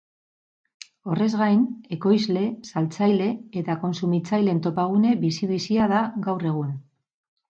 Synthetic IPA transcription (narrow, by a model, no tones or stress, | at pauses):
o̞re̞zɣajne̞ko̞jzle̞salt͡sajle̞ːt̪ako̞nsumit͡sajle̞nt̪o̞paɣ̞une̞βisiðisiað̞aɣawre̞ɣ̞un